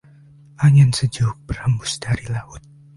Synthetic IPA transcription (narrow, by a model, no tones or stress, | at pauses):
ʔaɲɛnsəd͡ʒuk̚bərhəmbʊsd̥aɾilahʊt̪̚